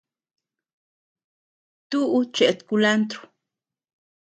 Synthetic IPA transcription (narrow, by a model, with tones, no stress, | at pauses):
t̪u˦ʔut͡ʃe˨t̪kula˦nt̪ɾu̥˨